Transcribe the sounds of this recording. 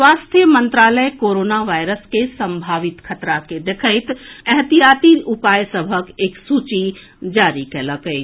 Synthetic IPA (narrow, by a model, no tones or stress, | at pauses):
swaːst̪ʰjəmə̃nt̪ɾaːləjkoːɾoːnaʋaːɪɾəskesə̃mbʱaːʋɪt̪kʰət̪ɾaked̪ekʰəɪt̪ɛɦt̪ijaːt̪iupaːjsəbʱəkeːksuːt͡ʃi | d͡ʒaːɾikələkəi